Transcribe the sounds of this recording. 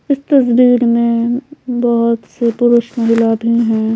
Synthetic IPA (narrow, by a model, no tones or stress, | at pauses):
ɪst̪ɐsd̪iːɾmẽbɐɦʊt̪sepʊɾʊʃmɐɦɪlabʱiɦɛ̃ː